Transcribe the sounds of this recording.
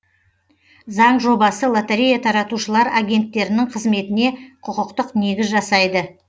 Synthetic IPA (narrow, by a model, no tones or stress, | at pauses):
zɑɴʒo̞bɑsəlˠat̪eɾʲejat̪ʰɑɾɑt̪uʃəlˠɑɾaɡʲe̞nt̪ːe̞ɾɪnɪɴqʰəzme̞t̪ɪne̞qʰʊqəqt̪əqne̞ɡʲɪzʒɑsɑjd̪ə